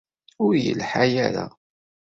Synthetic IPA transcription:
ʊɾjə̰lħajaɾa̰

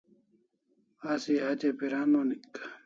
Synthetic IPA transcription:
asiad͡ʑepiɾaːnonikː

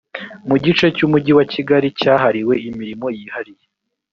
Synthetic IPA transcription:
muɟit͡ʃe̞cumuɟiwaciɡaɾicaːɦaɾiwe̞imiɾimo̞jihaɾije

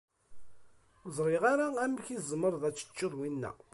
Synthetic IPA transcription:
zˤɾɪʁaɾaæmːçizməɾˤðˤæt͡sːə̥t͡ʃːəðˤwinːæ̰

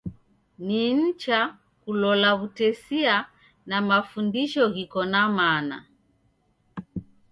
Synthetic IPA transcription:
nin̩t͡ʃa | kulɔlaβutɛsia | namafundiʃɔɣikɔnamana̰

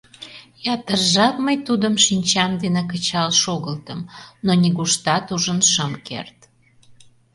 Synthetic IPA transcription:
jɑt̪ərʒɑt̪məjt̪ud̪əmʃinʲt͡ɕɑmd̪enek̬ət͡ɕɑlʃoɣəlt̪əmnonʲiɣuʃt̪ɑt̪uʒənʃəmkḛrt̪

